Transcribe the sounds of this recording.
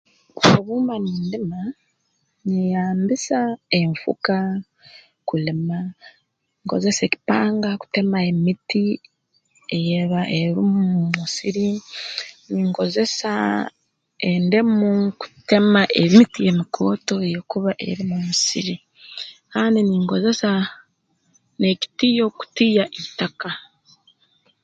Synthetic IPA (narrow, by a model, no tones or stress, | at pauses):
oβuːmbaniːndima | nejaːmbisaeɱfṵka | kulima | iŋko̰ze̞se̞ːki̥paːŋɡaku̥te̞mae̞miti | e̞jeβaʔeɾimumusiɾi | niŋɡo̞ze̞sa̰ | endemuku̥te̞maʔemitije̞mikʰo̞ːto̞ejekuβaʔe̞̰ɾimumusiɾi | kaːndiniŋɡo̞ze̞sa | ne̞ki̥tiːjo̞ku̥tijaʔitaka